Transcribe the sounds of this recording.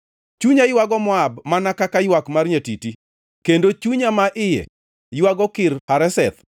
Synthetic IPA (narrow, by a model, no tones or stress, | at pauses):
t͡ʃuɲajwaɡɔmɔabmanakakajwakmarɲatiti | kendot͡ʃuɲamaʔɪjɛ̰ | jwaɡɔkɪɾhaɾɛsɛt̪